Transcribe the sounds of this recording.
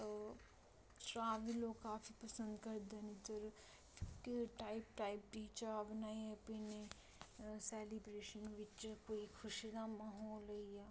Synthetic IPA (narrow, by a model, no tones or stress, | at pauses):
tɾaːʋiloːɡkaːfʰipəsə̃nd̪kəɾd̪enit̪əɾ | kʈaːɪpʈaːɪp̚ʈiːt͡ʃəaːbnaːiɛpɪne | sɛːlibɾeːʃənʋɪt͡ʃkoːikʰʊʃid̪amaɦɔːləiaː